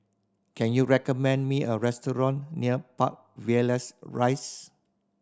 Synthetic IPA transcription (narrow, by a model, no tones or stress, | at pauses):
kɛ̃njuɹɛkɔmɛ̃ndmiəɹɛstɔɹɔ̃nːiəpa̰k̚viləsɹajs